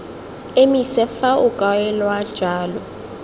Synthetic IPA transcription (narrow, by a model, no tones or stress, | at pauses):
emisɛfaʊkʼawɛlwad̥ʒ̥ʱaːlɔ